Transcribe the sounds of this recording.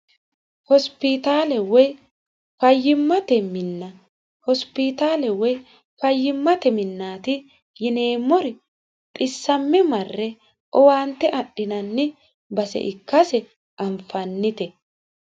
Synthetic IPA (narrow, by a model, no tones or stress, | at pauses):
hɔspɪt̪aːlɛwɔj | fɐjːɪmːɐt̪ɛmɪnːɐ | hɔspɪt̪aːlɛwɔj | fɐjːɪmːɐt̪ɛmɪnːaːt̪ɪ | jɪne̞ːmːɔɾɪ | t̪ʼɪsːɐmːɛmɐrːɛ | ʔɔwaːnt̪ːɛʔɐɗːɪnɐnːɪ | bɐsɛ̰ʔɪkːɐsɛ | ʔɐmfɐnːɪt̪ɛ